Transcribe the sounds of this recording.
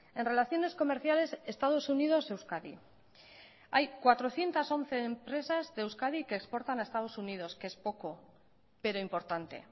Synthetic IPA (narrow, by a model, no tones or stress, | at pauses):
e̞nre̞laθjo̞ne̞sko̞meɾθjale̞se̞st̪að̞o̞sunið̞o̞se̞wskaði | ajkwat̪ɾo̞θje̞nt̪aso̞n̟θe̞ːmpɾe̞sazðewskaðikeːkspo̞ɾt̪anaest̪aðo̞sunið̞o̞skeespo̞ko̞ | pe̞ɾo̞impo̞ɾt̪ant̪ḛ